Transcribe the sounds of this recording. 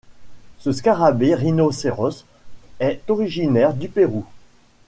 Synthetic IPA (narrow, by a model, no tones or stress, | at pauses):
səskaʁabeʁinoseʁɔs | ɛt̪ɔʁiʒinɛʁd̪ypeʁu